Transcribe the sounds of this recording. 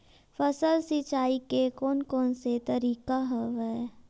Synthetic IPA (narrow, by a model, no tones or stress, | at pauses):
fəsəlsit͡ʃaːikekɔːnkɔːnset̪əɾiːkaɦəʋɛ